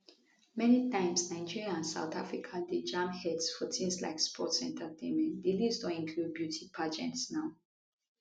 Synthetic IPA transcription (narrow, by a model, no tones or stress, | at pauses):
mɛnitãɪ̃msnaɪd͡ʒiɹiaãnsa̰ʊt̪afɹikʰaded͡ʒãmhɛdsfɔtʰĩnsla̰ɪkspʰɔ̰tsɛ̰̃ntʰətʰẽnmɛ̃ntdilisdõnĩnkʰlud̚bjutʰipʰad͡ʒɛ̰̃ntsnaʊ